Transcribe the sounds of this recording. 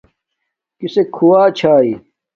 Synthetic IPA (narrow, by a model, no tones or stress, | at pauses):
kisekʰuwaːt͡ɕʰaːi